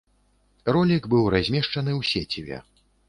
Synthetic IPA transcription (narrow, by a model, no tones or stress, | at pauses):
rɔlʲikbɨwɾazʲmʲɛʂt͡ʂɐnɨwsʲet͡sʲivʲɛ̰